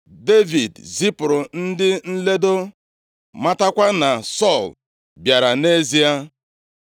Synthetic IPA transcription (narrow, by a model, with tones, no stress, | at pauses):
de˦vi˨dzi˦pʊ˨ɾʊ˨n̩˦dɪ˦n̩˦le˦do˦ | ma˦ta˦kʷa˦na˨sɔ˦˨l | bja˨ɾa˨ne˦zi˦a˦